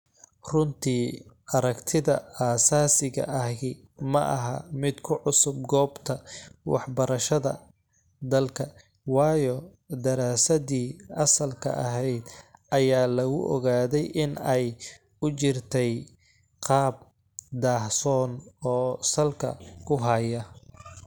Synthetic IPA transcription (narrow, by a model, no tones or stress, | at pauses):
rʊnt̪ʰiːʔɐɾɐkt̪ʰɪðɐaːsaːsɪɣɐ̰ʔɐɦɪ | mɐʔɐ̰ɦɐ̰mɪd̪kʰʊʕʊsʊb̚ɡɔːbt̪ʰɐwɑ̰ħbɐɾɐʃɐðɐ̰ | d̪ɐlkʰɐ | wɑːjɔ | d̪ɐɾaːsɐðiːʔɐsɐlkʰɐ̰ʔɐ̰ɦɛjd̪ʔɐjaːlɐɣʊʔɔ̰ɣaːðɛjʔɪnɛj | ʊt͡ʃɪrt̪ʰɛj | qɑːb̚ | d̪aːhsɔːnɔːsɐlkʰɐ̰kʰʊɦɐjɐ